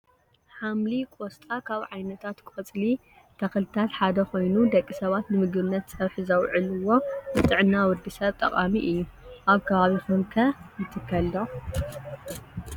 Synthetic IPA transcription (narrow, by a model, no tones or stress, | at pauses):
ħamlikʷʼost̪ʼakʰaβʕajnɐt̪ʰat̪kʰɨ̥fɐt͡sʼli | t̪ʰɐxɨlɨt̪ʰat̪ħad̪ɐxo̞jnud̪ɐkʼːisɐβat̪nɨmɨɡβɨnːɐt̪sʼɐβħɨzɐwʕɨlɨwo̞bɨt̪ʼɨʕɨnːawɔd̪isɐβt̪ʼɐqʼamiʔɨjːuʔaβkʰɐβaβixunkʰɐjɨt̪ʰɨkʰːɐlːo